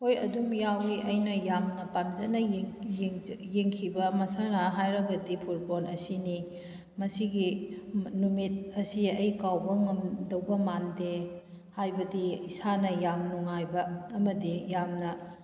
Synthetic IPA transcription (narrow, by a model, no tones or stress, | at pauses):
hojɐ̰dumjawɡiʔɐjnɐjamnɐpamzɐnɐ | jeŋkʰibɐmɐsanɐɦajɾɐɡɐdipʰuɾponʔɐsini | mɐsiɡi | numit̚ɐsiɐjkawbɐŋɐmdɐwbɐmande | hajbɐdiisanɐjamnuŋajbɐːmɐdijamnɐ